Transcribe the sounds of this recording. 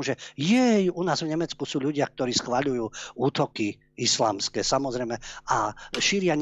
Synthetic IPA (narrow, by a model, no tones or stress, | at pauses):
ʒɛjɛjunaːzvɲɛmɛt͡skusuːʎuɟɪak̚t̪ɔɾiːsxʋaʎujuːuːt̪ɔki | isla̰ːmskɛːsamɔzɾɛjmɛaʃiɾɪaɲ